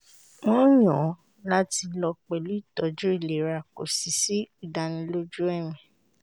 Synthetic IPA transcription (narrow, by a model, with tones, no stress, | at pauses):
w̃ɔ̃˦j̃ɔ̃˨˦ | la˦ti˧lɔ˧k͡pɛ˨lu˨˦i˦˨tɔ˨˦d͡ʒu˦i˦˨le˨˦ɾa˧˨ko̰˨si˨si˦i˦˨da˧nĩ˧lo˦d͡ʒu˦ɛ˦˨mĩ˨